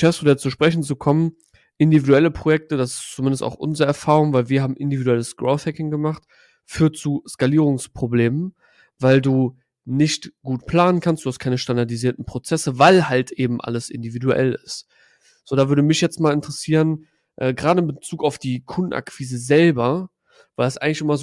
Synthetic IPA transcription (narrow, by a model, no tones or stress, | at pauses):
ʃɛsodɛt͡suːʃpʁ̥ɛçn̩t͡sukʰɔmən | ʔɪndividuɛləpʁ̥ojɛk̚tədasɪ̥st͡sumɪndəsta̰ʊxʔʊ̰nzəʁəɛɐfaːʁʊŋvaɪlviːɐɦaːbm̩ʔɪndividuɛləsɡ̥ʁoʊθhɛkɪŋɡəmaχt | fyːɐtt͡suːskaliːʁ̞ʊŋspʁ̥obleːmən | vaɪlduː | nɪçtɡ̥uːtpʰl̥aːnənkʰanstd̥uhast̚kʰaɪnəʃtandaɐdiziːɐtn̩pʁ̥ot͡sɛsəvaɪlhaltʔeːbm̩ʔa̰ləsʔɪ̰ndividuʔɛ̰lɪ̰st | z̥oːdavʏɐdəmɪçjɛt͡stmaːlɪntəʁəsiːʁən | ʔɛːɡʁaːdəɪmbət͡suːkaʊfd̥iːkʰʊndn̩ʔa̰kv̥iːzəzɛlbɐ | vaɪldasʔaɪŋklɪçʔɪmɐz